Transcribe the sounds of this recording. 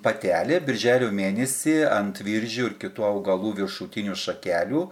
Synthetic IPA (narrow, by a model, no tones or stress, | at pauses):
pɐt̪ʲæːlʲebʲɪɾʲʒʲæːlʲoːmʲeːnʲɛsʲiːɐnt̪ʋʲɪɾʲʒʲʊːɪɾkʲɪt̪uːɐʊɡɐlˠuːʋʲɪɾʃuːt̪ʲɪnʲuːʃɐkʲæːlʲuː